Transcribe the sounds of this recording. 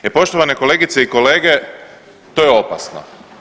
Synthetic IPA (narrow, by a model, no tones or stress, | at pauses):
epo̞ʃt̪oʋane̞ko̞le̞ːɡit̪seiko̞le̞ːɡe | t̪oːjeo̞pa̰sno̰